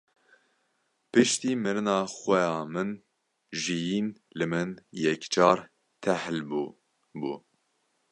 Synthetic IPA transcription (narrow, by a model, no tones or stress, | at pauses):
pɨʃt̪iːmɨɾɨnɑːxʷɛjɑːmɨn | ʒijiːn | lɨmɨnjɛkt͡ʃʰɑːɾ | t̪ʰɛhlbu | bṵː